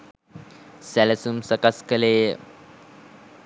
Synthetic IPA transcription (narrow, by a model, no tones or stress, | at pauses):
sɛlesumsəkaskəle